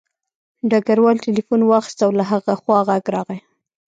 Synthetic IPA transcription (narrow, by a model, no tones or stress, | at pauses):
ɖaɡaɾwɑlʈelifunwɑxɪ̥st̪awlaɦaɣaxwɑɣaɡɾɑɣaj